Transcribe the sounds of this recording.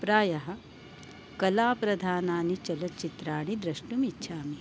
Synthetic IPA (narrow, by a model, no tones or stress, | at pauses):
pɾaːjɐɦɐ̆ | kɐlaːpɾɐd̪ʱaːnaːnit͡ʃɐlɐt͡ʃit̪ɾaːɳ̃id̪ɾɐʂʈumitːʃʰaːmi